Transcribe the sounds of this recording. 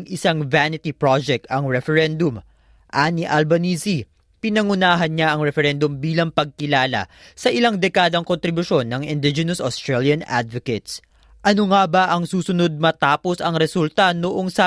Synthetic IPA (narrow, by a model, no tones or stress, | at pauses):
ŋʔɪsaŋvanɪt̪ipɹod͡ʒɛk̚t̪ɐŋɹɛfɛɹɛnd̪ʊm | ʔaniʔɐlbɐniːsi | pɪnɐŋʊnaːɦɐnɲaʔɐŋɹɛfɛɾɛnd̪ʊmbiːlɐŋpɐɡ̚kɪlaːlɐ̰ | sɐʔɪlaŋd̪ɛkaːd̪ɐŋkont̪ɾɪbʊʃo̞nːɐŋɪnd̪ɪd͡ʒɛnɐsost̪ɹaljɐna̰d̪vokɛt̪s | ʔɐnoŋabɐʔɐŋsuːsʊno̞d̪̚mɐt̪aːpo̞sɐŋɾɛsult̪ɐnoʔo̞ŋsɐ